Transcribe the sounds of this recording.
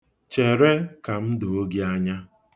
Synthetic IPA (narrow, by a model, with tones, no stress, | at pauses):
t͡ʃe˨ɾe˦ka˨m̩˦do˨o˦ɡi˦a˦ɲa˦